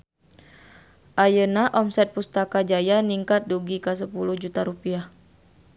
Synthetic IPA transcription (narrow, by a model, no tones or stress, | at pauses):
ʔajənaʔɔmsɛt̪̚pust̪akad͡ʒajaniŋkat̪̚duɡikas̬əpuluhd͡ʒut̪aɾupiah